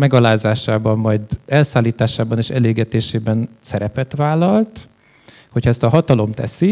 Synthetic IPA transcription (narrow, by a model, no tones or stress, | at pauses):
mɛɡɒlaːzaːʃaːbɒmːɒjd̪ɛlsaːlːiːt̪aːʃaːbɒneːʃɛleːɡɛt̪eːʃeːbɛnsɛɾɛpɛt̪ʋaːlːɒlt̪ | hocʰhɒɛst̪ɒɦɒt̪ɒlo̞mt̪ɛ̰si